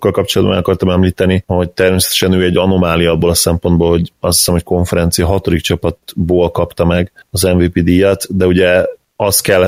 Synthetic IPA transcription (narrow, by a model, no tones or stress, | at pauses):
kːɒlkɒp̚t͡ʃo̞lɒd̪bɒ̰nɛɒkɒrt̪ɒmɛmliːt̪ɛniho̞ct̪ɛrmeːsɛ̥t̪ɛ̥ʃɛnøːɛɟːɒnomaːlijɒboːlɒsɛmpo̞nd̪bolho̞ɟɒst̪hi̥sɛmho̞cko̞ɱfɛɾɛnt̪sijɒɦɒt̪o̞d̪ik̚t͡ʃɒpɒt̪boːlkɒpt̪ɒmɛɡɒzɛɱviːpiːd̪iːjɒt̪d̪ɛuɟɛ | ɒst̪kɛlː